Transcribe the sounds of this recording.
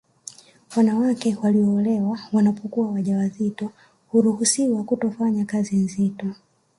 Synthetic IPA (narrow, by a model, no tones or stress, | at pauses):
wanawakɛwaliɔːlɛwawanapɔkuawaʄawazitɔ | huɾuhusiwakutɔfaɲakazin̩zitɔ